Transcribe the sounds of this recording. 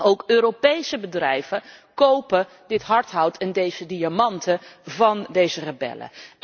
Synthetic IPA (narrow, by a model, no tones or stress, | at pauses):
owkøːɾopejsəbədrɛjv̥əkowpə | dɪtɦɑɹtɦʌwtʰɛndejzədiamɑntəvɑndejzərəbɛ̰lə̰